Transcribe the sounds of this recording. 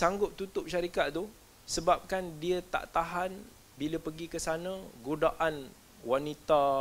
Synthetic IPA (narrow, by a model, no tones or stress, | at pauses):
saŋɡʊp̚t̪ut̪ʊp̚ʃaɾikaʔ̪̚t̪u | səbap̚kandiət̪a̰ʔt̪aɦan | biləpəɡikəsanãɡudaʔan | wanit̪a